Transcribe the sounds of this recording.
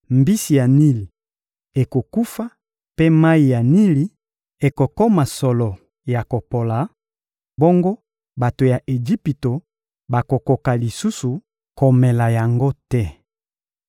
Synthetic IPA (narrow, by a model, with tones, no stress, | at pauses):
mbi˦si˨ja˨ni˦li˨ | e˨ko˨ku˦fa˦ | pe˦ma˦i˨ja˨ni˦li˦ | e˨ko˨kɔ˦ma˨sɔ˨lɔ˨ | ja˨ko˨po˨la˨ | bo˦ŋɡo˦ | ba˨to˨ja˨ʔe˨d͡ʒi˦pi˨to˨ | ba˨ko˨ko˨ka˨li˨su˦su˨ | ko˨mɛ˨la˨ja˨ŋɡo˦tɛ˦